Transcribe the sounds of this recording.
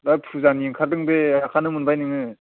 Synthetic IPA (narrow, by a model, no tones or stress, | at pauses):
bapʰuzanjiŋkʰaɾdɯŋbeakʰanɯmɯnbajnɯŋɯ